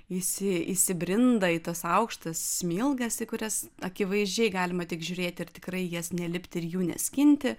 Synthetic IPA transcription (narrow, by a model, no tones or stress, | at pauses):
ɪsʲɪisʲɪbʲɾʲɪnd̪ɐɪt̪ɐsɐʊkʃt̪ɐssʲmʲɪlˠɡɐsikʊɾʲɛsɐkʲɪʋɐɪzʲd͡ʒʲɛɪɡɑːlʲɪmɐtʲɪkʒʲuːɾʲeːt̪ʲɪrt̪ʲɪkrɐɪjiɛsnʲɛlʲɪpʲt̪ʲɪɾjuːnʲɛ̰sʲkʲɪnʲt̪ʲɪ